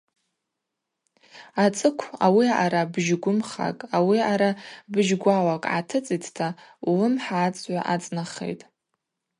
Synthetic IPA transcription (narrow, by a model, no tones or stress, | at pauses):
at͡sʼɨkʷʰawiaɾabʒɡʷʊmχa̰kʼawiaɾabɨʒɡʷawakʼa̰tʰɨt͡sʼitʰtʰalʊmħaːt͡sʼʕʷa̰ʔat͡sʼnaχḛjtʼ